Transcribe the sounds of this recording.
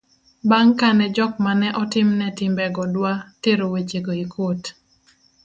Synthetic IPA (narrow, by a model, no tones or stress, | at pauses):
baŋkanɛd͡ʒɔkmanɛʔɔtɪmnɛtɪmbɛɡɔdwateɾowet͡ʃeɡoikʰot